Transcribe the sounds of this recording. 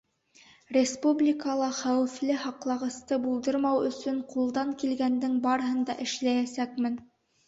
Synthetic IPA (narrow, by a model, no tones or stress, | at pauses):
rʲespublʲikɑlˠɑχæwɘ̆flɘhɑqlˠɑʁɤ̆st̪ɤbulˠd̪ɤɾmɑwɵ̆sɵɴqulˠd̪ɑŋkilɡænd̪ɘŋbɑɾɦɤnd̪ɑʔɘ̆ʃlæjæsækmɘn